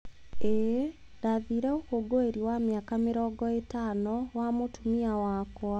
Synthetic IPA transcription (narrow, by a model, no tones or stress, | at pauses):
ɛ | daðiːɾɛokoɡoeɾiwamjakamɪɾɔːɡɔetanɔwamotumiawakwa